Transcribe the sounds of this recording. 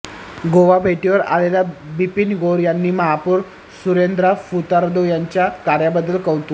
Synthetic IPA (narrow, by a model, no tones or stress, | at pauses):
ɡoʋabʱeʈiʋəɾa̰lelabipinɡoɾjanːiːməɦapuːɾ | suɾend̪ɾafut̪aɾd̪ojaɲt͡ɕjakaɾjabəd̪ːəlkəʋt̪u